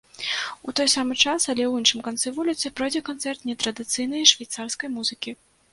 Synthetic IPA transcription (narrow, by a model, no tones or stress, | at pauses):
ut̪ɔjsamɨt͡ʂasɐlʲɛwinʂɨmkant̪sɨvulʲit̪sɨpɾɔjd͡zʲɛkant̪sɛrt̪nʲɛt̪ɾɐd̪ɨt̪sɨjnɐjʂvʲajt̪sarskɐjmuzɨkʲi